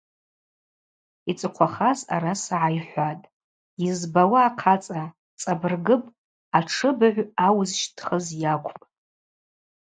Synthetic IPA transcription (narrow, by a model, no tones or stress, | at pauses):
it͡sʼɨqʷʰaχaza̰ɾasaʕajħʷatʼ | jizbawaːqʰat͡sʼa | t͡sʼabɨrɡɨpʼ | aʈ͡ʂʰɨbɨʕʷawzʃtʰχəzjakʷʰʼpʼ